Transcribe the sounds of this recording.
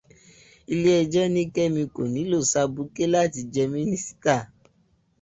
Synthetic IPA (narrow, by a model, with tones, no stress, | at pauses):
i˧le˦ɛ˧d͡ʒɛ˦nĩ˦kɛ˦mĩ˧ko˨nĩ˨˦lo˦˨sa˧bu˧˦ke˦la˦˨ti˧d͡ʒɛ˧mĩ˦nĩ˦si̥˦ta˦˨